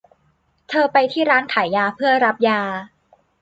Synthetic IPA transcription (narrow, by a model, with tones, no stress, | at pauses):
t̪ʰɤː˧pa˧jt̪ʰiː˥˩ɾaː˦˥nkʰaː˩˦jːaː˧pʰɯ˥˩ɐɾa˦˥p̚jaː˧